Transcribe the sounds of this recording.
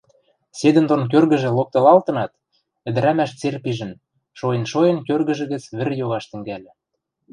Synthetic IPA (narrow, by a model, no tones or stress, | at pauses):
sed̪ə̆nd̪onk̬ørɣə̆ʒĕlok̚t̪ɤ̆lɑlt̪ɤ̆nɑt̪ | ɘ̆d̪ɘ̆ɾæmæʃt͡serpiʒə̆n | ʃojə̆nʃojɤ̆nkørɣə̆ʒɘ̆ɣə̆t͡sβɘ̆rjoɣɑʃt̪ɘ̆ŋɡælʲɘ̆